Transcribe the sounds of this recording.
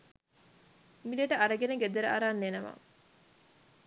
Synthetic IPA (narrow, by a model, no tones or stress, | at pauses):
mileʈɐʔɐɾɐɡenɐɡed̪eɾɐ̰ʔɐɾaːnːenɐma̰